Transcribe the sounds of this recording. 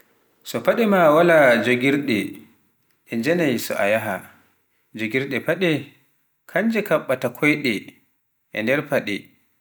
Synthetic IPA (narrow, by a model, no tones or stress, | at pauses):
sɔpaɗɛmawalad͡ʒoɡiɾɗɛ | ʔɛnd͡ʒɛnajsɔ̰ʔa̰jaɦa | d͡ʒoɡiɾɗɛpaɗɛ | kʰaɲd͡ʒɛkaɓːatakʰɔjɗɛ | ʔɛ̰ndɛɾpaɗɛ̰